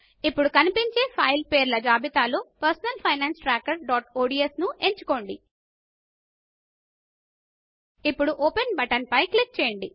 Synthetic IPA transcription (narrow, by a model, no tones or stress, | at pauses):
ipːuɽukɐnipiɲt͡ʃe̞ːpʰɐjlpeːɾlɐd͡ʒaːbit̪aːloːpɐɾsɐnɐlpʰɐjnaːnsʈɾaːkːɐɾɖaːʈoːɖiesnuʔe̞ɲt͡ʃu̥ko̞ːɳɖi | ipːuɽuʔoːpenbɐʈɐnpɐjklik̚t͡ʃeːjɐɳɖi